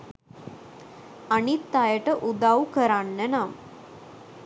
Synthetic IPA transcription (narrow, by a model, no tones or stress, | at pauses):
anit̪ːajəʈəʔud̪awkəɾanːənam